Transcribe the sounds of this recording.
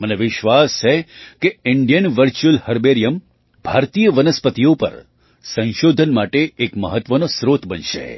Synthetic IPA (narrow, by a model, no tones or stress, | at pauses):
məneʋɪʃʋast͡ʃʰekeɪɳɖijənʋəɾt͡ʃuəlhəɾbeɾijəm | bʱaɾt̪ijəʋənəspət̪ijopə̰ɾ | sə̃nʃod̪ʱənmaʈeːkməɦət̪ʋənosɾot̪ʰbənʃḛ